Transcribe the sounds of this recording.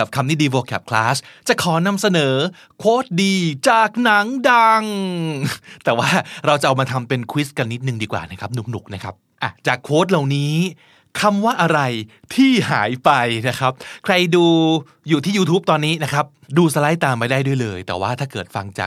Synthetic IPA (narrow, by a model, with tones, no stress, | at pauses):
ka˨˩kʰa˧mt̪iː˥˩diː˧woː˧kʰɛ̰ː˨˩p̚kʰlaː˦˥st͡ɕa˨˩kʰɔː˩˦na˧msa˧nɤː˩˦ | kʰoː˦˥t̪̚diː˧t͡ɕaː˨˩k̚na˩˦ŋda˧ŋ | t̪ɛː˨˩waː˥˩ɾa˧wt͡ɕa˨˩ʔa˧maː˧t̪ʰa˧mpe˧nkʰwi˦˥ska˧nːi˦˥t̪̚nɯ˨˩ŋdiː˧kwa̰ː˨˩na˦˥kʰa˦˥p̚nu˨˩k̚nu˨˩k̚na˦˥kʰa˦˥p̚ʔa˧˩t͡ɕaː˨˩kʰoː˦˥t̪̚la˨˩wniː˦˥ | kʰa˧mwaː˥˩ʔa˧ɾa˧j | t̪ʰiː˥˩ha̰ː˩˦jpa˧jna˦˥kʰɾa˦˥p̚kʰɾa˧jduː˧ | juː˨˩t̪ʰiː˥˩juː˧t̪ʰuː˦˥p̚t̪ɔː˧nːiː˦˥na˦˥kʰɾa˦˥p̚duː˧sa˧la˦˥jt̪aː˧mpa˧jdaː˥˩jdu˥˩jlɤː˧jt̪ɛ̰ː˨˩waː˥˩t̪ʰaː˥˩kɤː˨˩t̪̚fa̰˧ŋt͡ɕa̰ː˨˩